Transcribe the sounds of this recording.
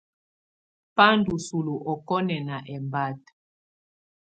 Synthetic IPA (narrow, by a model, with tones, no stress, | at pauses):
pa˦ndu˨su˨lu˨ʔɔ˨kɔ˦nɛ˨na˨ʔɛ˨mba˦t